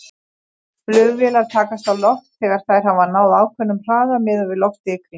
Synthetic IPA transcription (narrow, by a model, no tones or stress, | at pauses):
flʏːɣvɛːlaɾ̥t̪ʰaːkast̪awlɔht̪θɛːɣaɾ̥θaðɾ̥ɦavanaːwðaːwkʰvɛnːʏmr̥aːðamɪːðʏvɪðlɔwht̪ɪːkɾɪ